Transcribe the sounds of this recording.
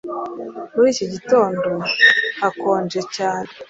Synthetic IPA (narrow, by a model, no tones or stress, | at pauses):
muɾiːcoɟito̞ːndohakoːnd͡ʒe̞caːne